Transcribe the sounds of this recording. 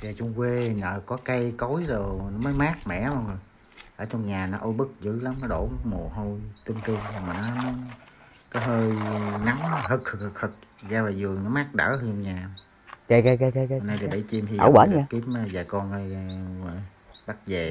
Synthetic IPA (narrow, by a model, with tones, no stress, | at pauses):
zaː˨˩t͡ɕu˧ŋ͡mkwe˧ŋə̰ː˨˩kɔ˨˦ka˧jko˨˦jzo˨˩nɔ˨˦məː˨˦jmaː˦˥k̚mɛ̰˧˥ma˧˩ŋo˨˩j | ʔəː˧˩t͡ɕɔ˧ŋ͡mɲaː˨˩nɔ˨˦ʔo˧jɓɨ˦˥k̚zɨ̰˧˥la˨˦mnɔ˨˦ɗo˧˩˦mu˨˩ɦo˧jt̪i˧əmt̪ɨ˧əŋo˨˩maː˨˩nɔ˨˦mə˨˦˨ | kaː˨˦jɦəː˧jna˨˦m˨˦ɦɨ˨˩k̚hʰɨ˨˩hə˨˩k̚t̪ʰhʰɨ˨˩k̚zaː˧vaː˨˩zɨ˨˩əŋnɔ˨˦maː˦˥k̚ɗə̰ː˧˥hə˧mɲaː˨˩˨ka˧jka˧jka˧jka˧ka˧˨naː˧jt̪i˨˩ɓə̰˧˩jt͡ɕi˧mhi˧ɗa̰ː˧˩wwa̰ː˨˦ɲaː˨˧ki˨˦˥əma˧zaː˨˩jkɔ˧nʔə˧j | ɓa˦˥k̚zeː˨˩